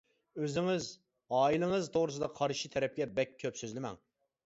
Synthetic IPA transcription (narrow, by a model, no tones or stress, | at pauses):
øzɪŋɪz | ɑːilˠɨŋɨzt̪ʰoʁɾɨsɨd̪ɑqʰɑɾʃit̪ʰɛɾɛp̚kʲɛbɛkʲʰːøpsøzlɪmɛ̰ŋ